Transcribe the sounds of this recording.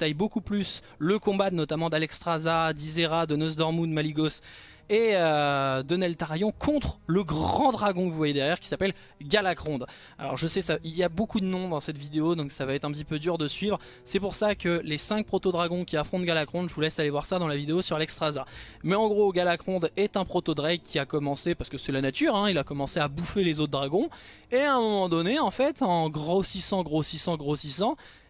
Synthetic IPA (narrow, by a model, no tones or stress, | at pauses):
t̪ajbokuplys | ləkɔ̃banɔt̪amɑ̃d̪alɛkst̪χazad̪izeʁad̪ənozd̪ɔʁmud̪maliɡɔs | eød̪ɔnɛlt̪aʁajɔ̃kʰɔ̃t̪χləɡʁɑ̃d̪ʁaɡɔ̃kəvuvwajed̪ɛʁjɛʁkʲi̥sapɛl | ɡʲalakχɔ̃d̪ | a̰lɔ̰ʁʒəsɛsailjabokud̪ənɔ̃d̪ɑ̃sɛt̪vid̪eod̪ɔ̃ksavaɛt̪χɛ̃pət̪ipød̪yʁd̪əsɥivʁ | sɛpuʁsakəlesɛ̃k̚pχɔt̪od̪ʁaɡɔ̃kʲiafχɔ̃t̪ɡʲalakχɔ̃d̪ʒəvulɛsalevwaʁsad̪ɑ̃lavid̪eosyʁlɛkst̪χaza | mɛɑ̃ɡʁoɡʲalakχɔ̃d̪ɛt̪ɛ̃pχɔt̪od̪ʁɛɡkʲiakɔmɑ̃sepaʁsə̥kəsɛlanat̪yʁɛ̃ilakɔmɑ̃seabufelezot̪̚d̪ʁaɡɔ̃ | ẽɛ̃mɔmɑ̃d̪ɔneɑ̃fɛt̪ɑ̃ɡʁɔsisɑ̃ɡʁosisɑ̃ɡʁosisɑ̃